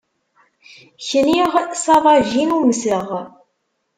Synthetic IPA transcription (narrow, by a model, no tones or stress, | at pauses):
çəniʁsɑðˤɑʒinuməsəʁ